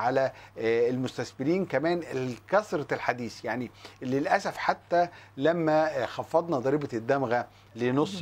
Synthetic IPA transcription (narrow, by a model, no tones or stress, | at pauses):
ʕalæelmost̪æsbɪɾiːnkæmæːnekæsɾˤɑlħad̪iːsjaʕnilelʔæsæfħat̪ːælæmːæxɑfːɑd̪ˤnɑd̪ˤɑɾiːbɑd̪ːæmɣæ | lenosˤː